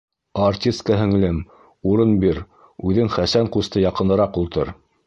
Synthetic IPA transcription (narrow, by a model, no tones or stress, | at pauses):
artʲist̪̚kɑɦɘ̆ŋlɘm | uɾɤnbiɾ | ʉðɘŋχæsæɴqust̪ɤjɑqɤ̆nɤ̆ɾɑqulˠt̪ɤ̰ɾ